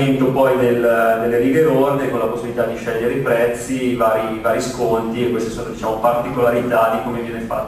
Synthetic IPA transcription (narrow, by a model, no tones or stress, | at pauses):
ent̪opɔjnelnelːeɾiːveɾord̪ekonlaposːibilit̪ad̪iʃɛʎːeɾeipɾɛt̪sːivaːɾivaːɾiskont̪iekːwest̪i̥soːnod̪it͡ʃaːmopart̪ikolaɾit̪ad̪ikomevinefa̰tː